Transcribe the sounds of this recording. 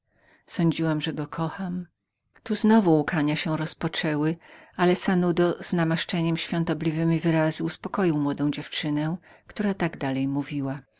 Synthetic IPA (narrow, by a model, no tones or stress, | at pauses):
sɔɲd͡ʑiwamʐɛɡɔkʰɔxam | t̪uznɔvuːkaɲaɕɛɾɔspɔt͡ʂɛwɘalɛsanud̪ɔznamaʂt͡ʂɛɲɛmɕfʲjɔ̃nt̪ɔblʲivɘmʲivɘɾazuuspɔkɔjiwmwɔd̪ɔ̃w̃d͡ʑɛft͡ʂɘnɛkt̪uɾat̪aɡd̪alɛjmuvʲiwa